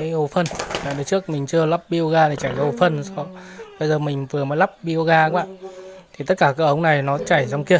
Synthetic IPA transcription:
aː˨˦ho˨˩fə˧naː˨˩ɗə˨˦t͡ɕɨ˦˥ək̚mï˨˩ŋ̟t͡ɕɨ˧əla˦˥p̚ɓi˧ʔo˧ɣaː˧t̪ʰi˨˩t͡ɕaː˧˩jkaː˨˦ho˧˩fə˧n˧˦sɔ˧˩ɓə˧jzəː˨˩mï˨˩ŋ̟vɨ˨˩əmɔː˨˦la˦˥p̚ɓi˧ʔo˧ɣaː˧ə˧˦ɓa̰ː˧˨nt̪ʰi˨˩t̪ə˦˥t̚kaː˧˩ka˨˧˦ʔə˧˦wŋ͡mna˨˩jnɔ˨˦t͡ɕa˧˩jzɔ˧wŋ͡mki˧˩ə

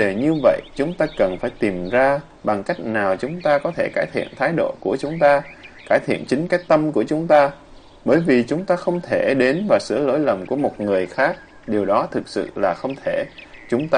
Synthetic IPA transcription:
ɗe˨˩ɲɨ˧və̰˧˨jʔt͡ɕʊ˨˦ŋ͡mt̪aː˧kə˨˩nfaː˧˩jt̪i˨˩mzaː˧ | ɓa˨˩ŋka˦˥jk̟̚naː˨˩wt͡ɕʊ˨˦ŋ͡mt̪aː˧kɔ˨˦t̪ʰe˧˩kaː˧˩jt̪ʰḭ˧˨ənt̪ʰaː˨˦jɗo̰˧˨ku˧˩ət͡ɕʊ˨˦ŋ͡mt̪aː˧kaː˧˩jt̪ʰḭ˧˨ənt͡ɕï˨˦ŋ̟kaː˨˦˥jk̚t̪ə˧mku˧˩ət͡ɕʊ˨˦ŋ͡mt̪aː˧ | ɓəː˧˩jvi˨˩t͡ɕʊ˨˦ŋ͡mt̪aː˧xə˧wŋ͡mt̪ʰe˧˩ɗe˨˦nvaː˨˩sɨ̰˧˩əlo̰˧˥˦jlə˨˩mku˧˩əmo˨˩t̚ŋɨ˨˩əjxaː˦˥k̚ | ɗi˨˩əwɗɔ˨˦t̪ʰɨ˨˩k̚sɨ̰˧˨laː˨˩xə˧wŋ͡mt̪ʰe˧˩t͡ɕʊ˨˦ŋ͡mt̪aː˧

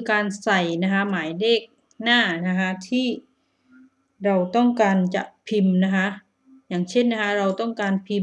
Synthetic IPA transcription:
kaː˧nsa˨˩jna˦˥kʰa˦˥maː˩˦jleː˥˩k̚ | naː˥˩na˦˥kʰa˦˥t̪ʰiː˥˩ | ɾa˧wt̪ɔ˥˩ŋkaː˧nt͡ɕa̰˨˩ʔpʰi˧mna˦˥kʰa˦˥ʔ | jaː˨˩ŋt͡ɕʰe˥˩nːa˦˥kʰa˦˥ɾa˧wt̪ɔ˥˩ŋkaː˧npʰi˧

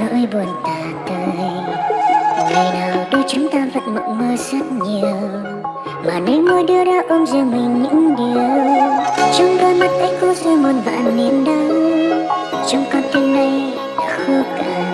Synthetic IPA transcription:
ə̰ː˧˥jɓo˨˩ənt̪aː˨˩t̪əː˧j | ŋə˨˩jnaː˨˩wɗo˧t͡ɕʊ˨˦ŋ͡mt̪aː˧və̰˧˨˩t̚mə̰˧˨wməː˧zə˦˥t̚ɲi˨˩əw | maː˨˩ne˨˦wmo˧jɗɨ˧əɗaː˧ʔə˧nzi˧˨ŋmï˨˩ŋ̟ɲɨ̰˧˥ŋɗi˨˩əw | t͡ɕʊ˨˧˦ŋ͡mɗɔː˧ma˦˥t̚ʔə˧˦ŋkɔ˧˦sə˧mo˨˩t̚va̰ː˧˨nmi˨˩ənɗə˧˦ | t͡ɕɔ˧wŋ͡mkɔ˧nt̪i˧ŋna˧j | a̰˧˥xə˧kaː˨˩

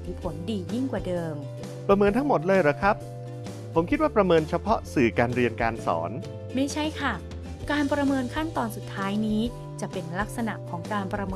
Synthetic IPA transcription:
i˧˩pʰo˩˦ndiː˧ji˥˩ŋkwaː˨˩dɤː˧m | pɾa˧mɤː˧nt̪ʰa˦˥ŋmo˨˩t̪̚lɤː˧jɾa˨˩kʰɾa˦˥p̚ | pʰːo˩˦mkʰi˦˥t̪̚waː˥˩pɾa˧mɤː˧nt͡ɕʰa˧pʰɔ˦˥sɯː˨˩kaː˧nɾi˧ənkaː˧nsɔ̰ː˩˦n | ma˥˩jt͡ɕʰa˥˩jkʰa˥˩ | kaː˧npɾa˧mɤː˧nkʰa˥˩nt̪ɔː˧nsu˨˩t̪ʰːaː˦˥jniː˦˥ | t͡ɕa˨˩ʔpe˧nla˦˥k̚sa˧na̰˨˩ʔkʰɔː˩˦ŋkaː˧npɾa˧mɤː

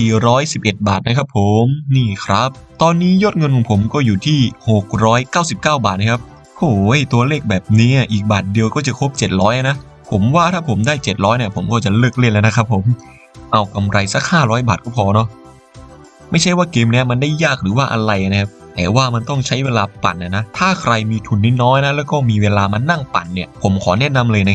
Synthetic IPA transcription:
siː˨˩ɾɔː˦˥jsi˨˩p̚ʔe˨˩t̪̚baː˨˩t̪̚na˦˥kʰa˦˥p̚ʰːo˨˩˦mniː˥˩kʰɾa˦˥p̚ | t̪ɔː˧nːiː˦˥jo˦˥t̪̚ŋɤ˧nkʰɔ˨˩˦ŋpʰo˩˦mkɔː˥˩juː˨˩t̪ʰiː˥˩ho˨˩k̚ɾɔː˦˥jkaː˥˩wsi˨˩p̚kaː˥˩wbaː˨˩t̪̚na˧˥kʰa˦˥p̚ | hoː˨˩˦jt̪u˧ɐleː˥˩k̚bɛː˨˩p̚niː˦˥ni˧˥˩ʔiː˨˩k̚baː˨˩t̪̚di˧əwkɔː˥˩t͡ɕa˨˩kʰo˦˥p̚t͡ɕe˨˩t̪̚ɾɔː˦˥jʔa˧na˦˥ | pʰo˨˩˦mwaː˥˩t̪ʰaː˥˩pʰo˩˦mdaː˥˩jt͡ɕe˨˩t̪̚ɾɔː˦˥jniː˧˥˩pʰo˩˦mkɔː˥˩t͡ɕa˨˩lɤː˥˩k̚le˥˩nlɛ˦˥˩na˦˥kʰɾa˦˥pʰːo˨˩˦m | ʔa˧wka˧mɾʔa˧jsa˦˥k̚haː˥˩ɾɔː˦˥jbaː˨˩t̪̚kɔː˥˩pʰɔː˧nɔ˦˥ | ma˥˩jt͡ɕʰa˥˩jwaː˥˩keː˧mni˦˥ɐma˧ndaː˥˩jːaː˥˩k̚ɾɯː˩˦waː˥˩ʔa˧ɾa˧jʔa˨˩na˦˥kʰa˦˥p̚t̪ɛ̰ː˨˩waː˥˩ma˧nt̪ɔ˥˩ŋt͡ɕʰa˦˥jweː˧laː˧pa̰˨˩nʔa˨˩na˦˥t̪ʰaː˥˩kʰɾa˧jmiː˧t̪ʰu˧nːiː˦˥nɔː˦˥jna˦˥lɛː˦˥wkɔː˥˩miː˧weː˧laː˧ma˧nːa˥˩ŋpa̰˨˩nːi˧˥˩ɐpʰo˩˦mkʰɔː˩˦nɛ˦˥na˧mlɤː˧jna˧˥k

